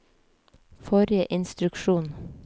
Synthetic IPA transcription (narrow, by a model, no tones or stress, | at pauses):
fɔɾɪəʔɪnst̪ɾʉkʃuːn